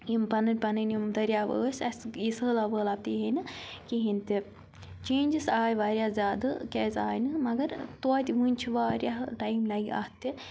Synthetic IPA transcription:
jimpɐnɐɾʲpɐnɨnjimd̪ɐɾʲjaːʋə̰ːsɐsisəːlɐʋəːlaːp̚t̪iɦɐnɨkiɦint̪i | t͡ʃeːnʲd͡ʒisaːjʋaːɾʲjaːzʲaːd̪ɨkʲɛːzʲaːjnɨmɐɡɐɾt̪oːjt̪iʋunʲt͡ʃʰiʋaːɾjaɦʈajmlɐɡʲia̰ːht̪i

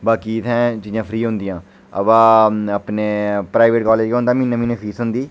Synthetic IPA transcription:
baːkiːt̪ʰɛ̃ːt͡ʃiːzãːpʰɾiːɦõːnd̪ijãː | ə̰bãːəːpneːpɾaːɪʋeːʈkaːleːd͡ʒkaːõnd̪aːmĩːnãːmiːnẽːfʰiːsʊ̃nd̪iː

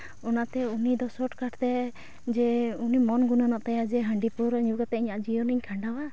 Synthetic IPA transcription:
ɔnat̪ɛunid̪ɔsɔʈkaʈt̪ɛ | d͡ʒɛunimɔnɡunanɔʔt̪ajad͡ʒɛɦəɳɖipuɾɔɲukat̪ɛiɲaʔd͡ʒijɔnɛɲkʰaɳɖawa

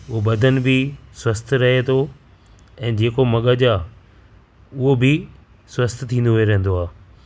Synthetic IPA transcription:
ʊɦoɓɐd̪ʱənɪ̆bʱɪswɐst̪ʰɾɐɦet̪ʰo | ɛ̃ːd͡ʑeːkomɐɠəd͡ʑaː | ʊɦobɪ | swɐst̪ʰt̪ʰĩːn̆d̪oɦueɾɛ̃ɦn̆d̪oaː

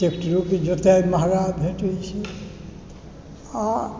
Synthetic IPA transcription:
ekʈɾuked͡ʒot̪ajmɔɦaɾabʱeʈojt͡ʃʰi | a

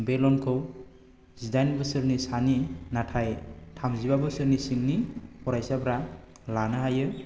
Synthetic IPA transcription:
belɔnkʰɯw | zidajnbɯsɯɾnisaninatʰajtʰamzibabɯsɯɾnisiŋnipʰɔɾajsabɾa | lanɯɦajɯ

